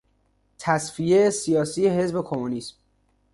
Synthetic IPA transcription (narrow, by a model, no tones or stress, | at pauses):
t̪ʰæsfijesijɒːsiːjeɦe̞zbe̞kʰo̞munism